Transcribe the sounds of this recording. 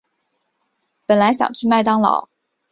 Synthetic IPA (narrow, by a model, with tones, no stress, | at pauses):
pə˨˩nla˧˥ɪɕjɑ̰˨˩ŋt͡ɕʰy˥˧ma˥˩ɪt̪ɑ˥ŋlɑ̰˨˩˦ʊ